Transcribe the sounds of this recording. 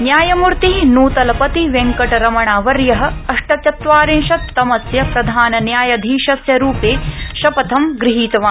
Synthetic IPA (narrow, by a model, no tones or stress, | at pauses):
njaːjɐmuɾt̪inuːt̪ɐlɐpɐt̪iʋeŋkɐʈɐɾɐmɐɳaːʋɐɾjɐɦɐ̆ɐʂʈɐt͡ʃɐt̪ʋaːɾinʃɐt̪ːɐmɐsjɐpɾɐd̪ʱaːnɐnjaːjɐd̪ʱiːʃɐsjɐɾuːpeːʃɐpɐt̪ʰɐmɡɾiɦiːt̪ɐʋaː